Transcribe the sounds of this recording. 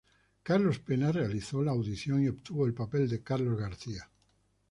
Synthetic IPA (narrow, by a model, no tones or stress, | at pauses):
kaɾlo̞spenarealiθolaːwðiθjo̞ŋiopt̪uβoelpapeld̪ekaɾlo̞zɣaɾθia